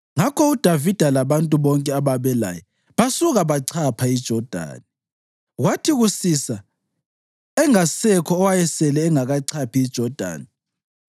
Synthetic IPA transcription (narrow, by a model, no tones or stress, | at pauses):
ŋakʰɔud̥ʱavid̥ʱalaβantʼuβɔŋkʼɛaβaβɛla̰jɔ | βasuɣaβaǀʰapʰaid̥ʒ̥ʱɔd̥ʱa̰ːnɛ | ɣwatʰiɣusisa | ɛŋasɛkʰɔːwajɛsɛlɛːŋaɣaǀʰapʰiːd̥ʒ̥ʱɔd̥ʱa̰ːni